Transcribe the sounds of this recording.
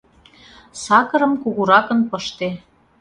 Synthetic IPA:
sɑkɤ̆ɾɤ̆mkuɣuɾɑkə̆npɤ̆ʃt̪e

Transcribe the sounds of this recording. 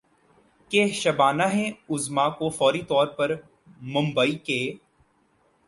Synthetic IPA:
keːʃɐbaːnaɦẽʊzmakofɔːɾit̪ɔːɾpɐɾ | mʊ̃mbəiːkeː

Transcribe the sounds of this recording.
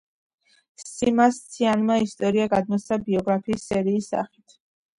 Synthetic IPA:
simast̪sʰianmaist̪ʼɔɾiaɡad̪̚mɔt̪sabiɔɡɾapʰiːsːɛɾiːsːa̰χi̥t̪ʰ

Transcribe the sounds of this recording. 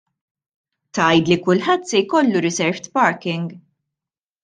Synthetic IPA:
t̪ɐjd̪likʊlħɐt̪ːsɛjkɔlːuɾɪzɛɾft̪pɐɾkɪŋɡ

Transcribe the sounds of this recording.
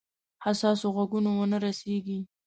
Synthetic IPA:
hasɑsoɣaɡunowənəɾaseɡi

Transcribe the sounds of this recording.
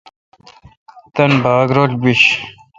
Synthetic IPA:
t̪ɐnbaːɡɾoːʈbiɕ

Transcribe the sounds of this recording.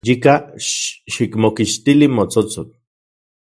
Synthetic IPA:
jika | ʃikmokiʃt̪ilimot͡sot͡sot̪̚

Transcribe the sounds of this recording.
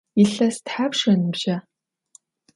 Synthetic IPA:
iɬɐstħaːpʂɐnɨbʒɐ

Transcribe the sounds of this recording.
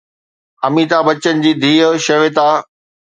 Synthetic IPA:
ɐmiːt̪abɐt͡ɕənɪ̆d͡ʑiːd̪ʱiːəʃɐʋet̪aː

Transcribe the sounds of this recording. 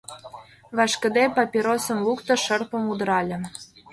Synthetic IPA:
βɑʃkə̆d̪epɑpʲiɾosə̆mlukt̪ɤ̆ʃərpə̆mud̪ə̆ɾɑlʲə̆

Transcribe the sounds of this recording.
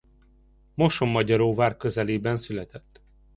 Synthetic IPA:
mo̞ʃomːɒɟɒɾoːvaːrkø̞zɛleːbɛnsylɛt̪ɛt̪ː

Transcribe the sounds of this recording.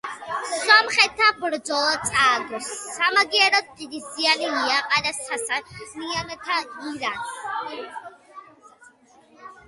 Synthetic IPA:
sɔmχɛt̪ʰabɾd̪zɔlˠat̪sʼaːɡɔsːamaɡiɛɾɔd̪̚t̪ʼid̪isianiiaqʼanasʰasamianɔt̪ʰaiɾan

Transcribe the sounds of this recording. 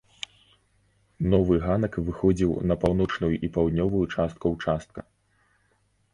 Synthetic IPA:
nɔvɨɣanɐkvɨxɔd͡zʲiwnɐpawnɔt͡ʂnujuʔipawd̪ʲnʲɔvujut͡ʂast̪̚kuwt͡ʂast̪̚kɐ

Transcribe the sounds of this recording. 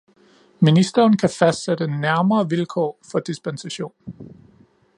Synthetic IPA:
minisd̥ɐːnkʰæfæsd̥sed̥əenːæɐmɐːʋilkʰɒ̰ːfɒ̽d̥isb̥ensæɕo̝̰ːn

